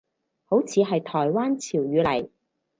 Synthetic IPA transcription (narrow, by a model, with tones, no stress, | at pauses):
ho˨˥wt͡sʰiː˨˧ɦɐ˨jt̪ʰɔː˨˩jwaː˥nt͡sʰiː˨˩wɥyː˨˧lɐ˨˩j